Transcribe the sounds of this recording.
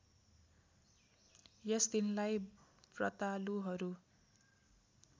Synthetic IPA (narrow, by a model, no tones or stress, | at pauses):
jʌsd̪inlajbrʌt̪aluɦʌɾu